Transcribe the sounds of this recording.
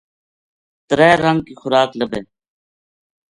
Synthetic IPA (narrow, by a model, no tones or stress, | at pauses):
t̪əɾɛːɾəŋɡ̚kiːxʊɾaːkləbʱeː